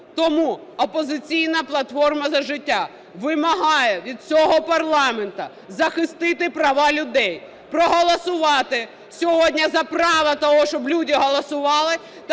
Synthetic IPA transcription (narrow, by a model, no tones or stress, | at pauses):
t̪ɔmu | ɔpɔzɪt͡sʲijnɐplˠɐt̪fɔrmɐzɐʒɪtʲːa | ʋɪmɐɦɑjɛʋʲid̪̚t͡sʲɔɦɔpɐrlˠɑment̪ɐ | zɐxɪst̪ɪt̪ɪpɾɐʋɑlʲʊd̪ɛj | pɾɔɦɔlˠɔsʊʋɑt̪ɪ | sʲɔɦɔdʲnʲɐzɐprɑʋɐt̪ɔɦɔʃt͡ʃɔblʲudʲiɦɔlˠɔsʊʋɑlˠɪ | t̪